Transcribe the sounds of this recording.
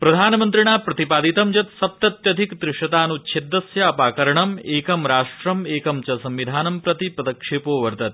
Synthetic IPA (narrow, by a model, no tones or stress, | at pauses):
pɾɐd̪ʱaːnmɐnt̪ɾiɳaːpɾɐt̪ipaːd̪it̪ɐmd͡ʒɐt̪sɐp̚t̪ɐt̪jɐd̪ʱikd̪ɾɪʂɐt̪aːnut͡ʃʰed̪ːɐsjɐɐpaːkɐɾɐɳɐmeːkɐmɾaːʂʈɾɐmeːkɐmt͡ʃɐsɐmʋid̪ʱaːnɐmpɾɐt̪ipɾɐd̪ɐkʂeːpoːʋɐɾt̪ɐt̪̚